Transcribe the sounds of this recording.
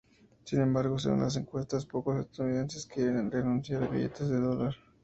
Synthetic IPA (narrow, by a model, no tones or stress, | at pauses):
sinẽ̞mbaɾɣo̞s̬ḛɣṵnlʔa̰s̬e̞ŋkwe̞st̪aspo̞kosast̪auniðe̞nse̞skjeɾenrenũnsjaɾβḭʝe̞̰t̪ʰe̞zðe̞ðo̞laɾ